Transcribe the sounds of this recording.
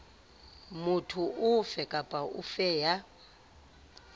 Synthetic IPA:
mutʰuufɛkʼapʼaufɛːja

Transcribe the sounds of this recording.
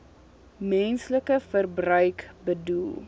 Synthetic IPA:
mɛnsləkəfərbrœɥkbədulˠ

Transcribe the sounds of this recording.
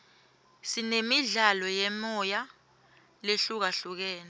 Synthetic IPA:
sinemiɮalɔjɛmɔja | leɬuk̬aɬuk̬ɛːnɛ

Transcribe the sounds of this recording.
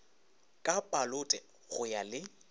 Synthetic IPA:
kʼapʼalʊtʼɛ | ɣʊjalɪ

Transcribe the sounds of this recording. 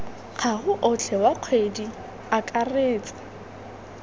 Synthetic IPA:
k͡xʰaɣʊʔʊt͡ɬʰɛwaq͡χʰwedi | akʼareːt͡sʼḁ

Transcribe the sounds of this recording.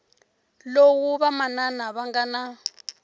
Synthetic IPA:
lowuβamananaβaŋɡana

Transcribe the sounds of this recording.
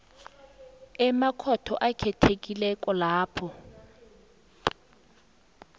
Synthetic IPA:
ɛmakʰɔtʰɔʔakʰɛtʰek̬ʼilɛkʼɔlaːpʰɔ

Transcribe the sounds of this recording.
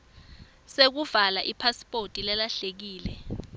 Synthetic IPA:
sek̬uvalaʔipʰaspʼotʼilɛlaɬek̬iːlɛ

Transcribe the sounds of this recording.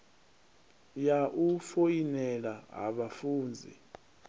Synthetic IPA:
jaʔufojinɛlaɦa̰ɓafuːnd͡zʱḭ

